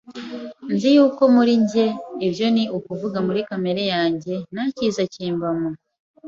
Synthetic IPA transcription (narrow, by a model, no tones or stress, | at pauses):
nzijuːko̞muɾiɲɟe̞ːbjo̞niukuvuɡamuɾikame̞ɾe̞jaːɲɟe̞naciːzaciːmbamu